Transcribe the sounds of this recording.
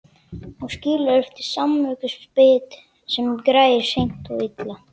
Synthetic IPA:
ɔɣsciːlaɛft̪ɪɾ̥samːœːkʏspɪːt̪ | sɛmkɾaːjjɪɾ̥sejn̥t̪ɔɣit̪la

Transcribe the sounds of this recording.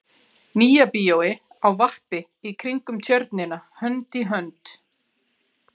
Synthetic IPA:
niːjapiːjowɪ | awvah̪pɪ | ikʰɾiŋkʏmt̪ʰjœɾt̪nɪnahœnt̪iɦœnt̪

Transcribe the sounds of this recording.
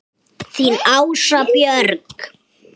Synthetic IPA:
θinawsapjœɾk

